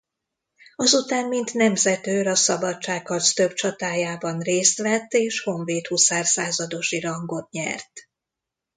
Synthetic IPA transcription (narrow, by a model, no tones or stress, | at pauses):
ɒzut̪aːnmint̪nɛmzɛt̪øːɾɒsɒbɒt͡ʃaːkkɒst̪ø̞bt͡ʃɒt̪aːjaːbɒnreːst̪ʋɛt̪ːeːʃho̞ɱveːt̪husaːrsaːzɒd̪o̞ʃiɾɒŋɡo̞t̪̚ɲɛ̰rt̪